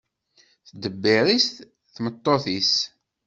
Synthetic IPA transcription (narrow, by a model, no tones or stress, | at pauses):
θd̪əbːiɾist | θmət̪ˤːoθis